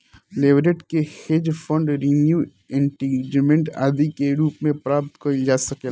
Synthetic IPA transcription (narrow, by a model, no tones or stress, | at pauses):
leːʋɾeʈkeheːd͡ʒfʰɔ̃ɳɖɾinju | ẽɳʈiːɡmẽɳʈa̰ːd̪ikeɾuːpmẽpɾaːp̚t̪koid͡ʒaːsɐke